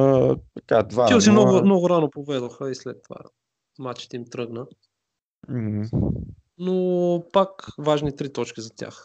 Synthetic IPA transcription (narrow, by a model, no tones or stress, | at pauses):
ət̪ɐkad̪vaiʊsimnɔɡʊmnɔɡʊɾanopovɛd̪oxəislɛt̪ːova̰ | mat͡ʃɛ̥t̪ɛimt̪ɾɤɡnə | m̩h̩ | nopakvaʒnit̪ɾit̪ɔt͡ʃkʲizɐt̪ʲa̰x